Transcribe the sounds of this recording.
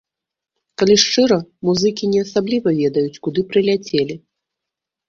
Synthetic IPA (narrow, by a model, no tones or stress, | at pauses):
kalʲiʂt͡ʂɨɾɐmuzɨkʲinʲɛɐsablʲivɐvʲɛd̪ɐjut͡sʲkud̪ɨpɾɨlʲat͡sʲelʲi